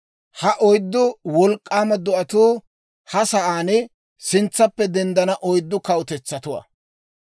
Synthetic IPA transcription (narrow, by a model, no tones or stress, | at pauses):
hɐʔɔjd̪ːʊwɔlkʼːaːmɐd̪ɔʔɐt̪uː | hɐsɐʔaːnɪ | sɪnt͡sːɐpːɛd̪ɛnd̪ɐnɐʔɔjd̪ːʊkɐwʊt̪ɛt͡sːɐt̪ʊwa̰ː